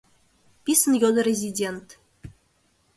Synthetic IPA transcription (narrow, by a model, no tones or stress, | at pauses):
pʲisənjod̪ɤ̆rʲezʲidʲent̪